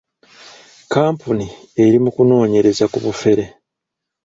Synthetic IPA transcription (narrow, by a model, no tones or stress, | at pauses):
kaːmpuni | e̞ɾimukuno̞ːɲe̞ɾe̞zakuβufe̞ɾe̞